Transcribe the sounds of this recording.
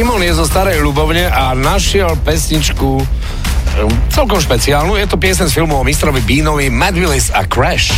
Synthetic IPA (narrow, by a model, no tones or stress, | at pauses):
imɔniɛzɔst̪aɾɛjʎubɔʊɲɛʔanaʃɪɛlpɛsɲit͡ʃku | t͡sɛlkɔmʃpɛt͡siaːlnujɛt̪ɔpɪɛsɛsfilmɔɔmist̪ɾɔʋibiːnɔʋimad̪ʋilisa̰kɾɛʃ